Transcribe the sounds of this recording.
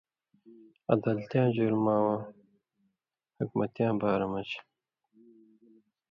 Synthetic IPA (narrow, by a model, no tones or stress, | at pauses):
ɐ̰d̪ɐlt̪jãːd͡ʑuɾmaːwãː | hukmɐt̪jãːbaːɾɐmɐt͡ɕ